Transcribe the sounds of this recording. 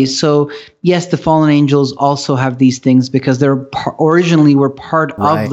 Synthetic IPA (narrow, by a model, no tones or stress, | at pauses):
soʊ | jɛsðɨfɑlˠə̃nẽɪ̃nd͡ʒl̩ˠzɔlˠsoʊɨvðiz̥θɪ̃ŋzbɨkʰʌzðə˞pʰʔə˞ɪd͡ʒɨnl̩ˠiwə˞pʰɑɹɾʌvð